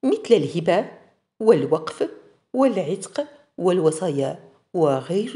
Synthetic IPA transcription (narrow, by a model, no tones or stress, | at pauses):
mət̪ləlhɪbæ | wəlwɑqf | wəlʕɪt̪q | wəlwɑsˤɑːjɑ | wəɣaɾ